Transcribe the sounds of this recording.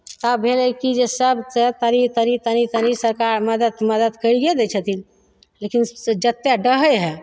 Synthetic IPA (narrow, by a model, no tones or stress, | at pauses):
t̪abʱeləkid͡ʒesabt͡st̪ːaɾit̪aɾit̪añit̪anisəɾkaɾməd̪ət̪məd̪ət̪kəɾiɡed̪et͡ʃʰət̪iːl | lekind͡ʒət̪ːjaɖəɦəjɦɛ